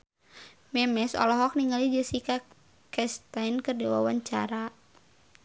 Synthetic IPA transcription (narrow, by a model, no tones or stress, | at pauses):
mɛmɛsɔ̰lɔɦɔk̚niŋalid͡ʒəsika | kɛst̪ajnkɨrdiwa̰waɲt͡ʃa̰ɾa